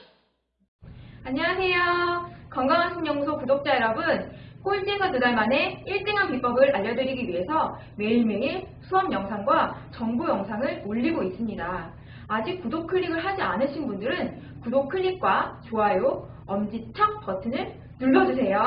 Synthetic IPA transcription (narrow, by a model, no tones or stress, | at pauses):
aɲiwasʰe̞jokʌŋɡaŋɦansʰʌŋɲʌŋusʰokudok̚t͡ɕ͈aeɾʌbɯnk͈ond͡ʑisʰʌtudaɭmane̞iɭt͈eŋɦanpip͈ʌɡɯɾaʎːʌdɯɾiɡiɥiɦe̞sʰʌ | me̞iɭmeŋe | sʰuʌmjʌŋsʰaŋɡwat͡ɕʌŋbujʌŋsʰaŋɯɭmoʎːiɡois͈ɯmɲidaː | d͡ʑik̚kudokʰɯɭːiɡɯɭɦad͡ʑianɯɕʰinbundɯɾɯn | kudok̚kʰɯʎːik̚k͈wat͡ɕoajo | ʌmd͡ʑit͡ɕʰʌk̚p͈ʌtʰɯnɯɭ | nuɭːʌd͡ʑusʰe̞jo